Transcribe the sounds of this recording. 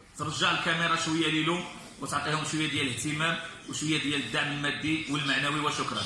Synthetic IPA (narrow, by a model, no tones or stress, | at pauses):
t̪əɾˤʒːaʕəlkæmiɾˤɑʃwəjːalilum | wət̪ʕq̪ihʊmʃwəjːad̪jæləht̪əmæmwəʃwəjːad̪jæləd̪ːaʕməlmæd̪ːiwəlmaʕnæwiwəʃʊkɾˤɑ̰n